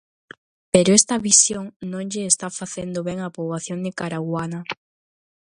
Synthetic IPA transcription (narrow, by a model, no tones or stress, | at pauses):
peɾoest̪ɐβisjoŋnõŋʎeːst̪afaθend̪oβeŋapoβlaθjoŋd̪ekaɾaɣwanɐ